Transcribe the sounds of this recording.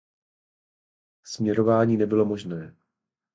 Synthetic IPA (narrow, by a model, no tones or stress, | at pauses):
smɲɛɾo̞vaːɲiːnɛbɪlo̞mo̞ʒnɛː